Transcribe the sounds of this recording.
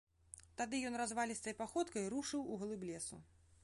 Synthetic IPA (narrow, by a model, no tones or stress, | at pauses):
t̪ad̪ɨjɔnrazvalʲist̪ɐjpaxɔt̪kɐjɾuʂɨwuɣlˠɨblʲɛsṵ